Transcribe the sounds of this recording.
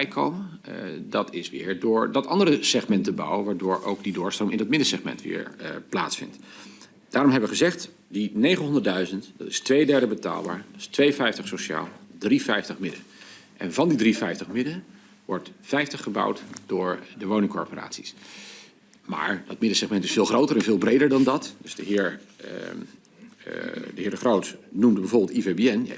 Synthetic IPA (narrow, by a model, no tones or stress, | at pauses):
jkowmə | dɑtɪsʋɪ̰ːɹdʊːɹdɑtɑndərəsɛχmɛntəbɑ̰wəʋaːɹdʊːɹo̰wɡdidʊːɹstrowmɪndɑt̚mɪdəsɛχmɛ̰ntʋɪ̰ːɹpla̰ːtsfɪ̰nt | d̥aːɾɔmɦɛbəʋəχəzɛχt | dinejχənɦɔndəɹtdœɥzəntd̥ɑ̰tɪstʋejdɛɹdəbəta̰ːlˠba̰ːɹdɪ̥stʋejfɛjftəχsoʃa̰ːlˠdrifɛjftəχmɪdənʔɛ̰nvɑndidrifɛjftəχmɪdən | ʋɔɹtfɛjftəχəbʌ̰wtd̥ʊːɹdəʋownɪ̃ŋkɔ̰ɹpəra̰ːtsi̥s | ma̰ːɹd̥ɑtmɪdəsɛχmɛntɪsfɪːlˠχrowtəɾɛnvɪːlˠbrejdəɹdɑndɑtdɵzdəɦɪːɹ | dəɦɪːɹdəχrowtnumdəbɛjvʊːɹbɪlˠtivebiɛn̰